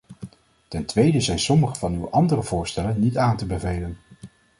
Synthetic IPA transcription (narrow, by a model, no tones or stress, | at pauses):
tɛntʋejdəzɛjnsɔməχəvɑnywʔɑndərəv̥ʊːɹstɛlənːitaːntəbəvejlən